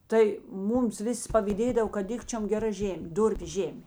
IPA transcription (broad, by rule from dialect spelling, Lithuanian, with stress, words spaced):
ˈtɐɪ ˈmuːms ˈʋʲɪˌsʲɪ pɐʋʲiːˈdʲeːdɐw kɐt ˈdʲɪkt͡ʃʲoːm ɡʲɛˈrɐ ˈʒʲeːmʲeː ˈdʊrʲpʲʊ ˈʒʲeːmʲeː